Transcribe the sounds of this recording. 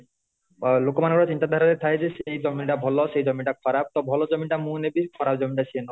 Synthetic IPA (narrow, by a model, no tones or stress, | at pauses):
lokomankɔɾat͡ɕint̪ad̪ʱaɾat̪et̪ʰaked͡ʑeʃejd͡ʑɔmiʈabʱɔloʃejd͡ʑɔmiʈakʰɔɾab̚t̪ɔbʱɔlod͡ʑɔmiʈamunebikʰɔɾap̚d͡ʑɔmiɳʈat͡ɕʰieno